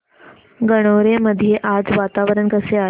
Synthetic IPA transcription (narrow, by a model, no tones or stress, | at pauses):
ɡəɽ̃oɾeməd̪ʱijeʔad͡zʋat̪aʋɾəɳkəsea